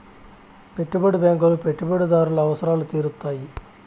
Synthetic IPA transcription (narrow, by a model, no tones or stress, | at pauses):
pe̞ʈːubɐɽibeːŋɡulupeʈːubɐɽid̪aːɾulɐɐʋɐsɐɾaːlut̪iːɾut̪ːaːji